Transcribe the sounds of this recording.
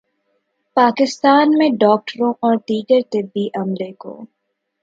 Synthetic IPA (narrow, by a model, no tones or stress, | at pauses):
paːkɪst̪aːnmẽɖɔːk̚ʈəɾõʔɔːɾʈiːʈəɾt̪ɪbːiʔɐmleko̰ː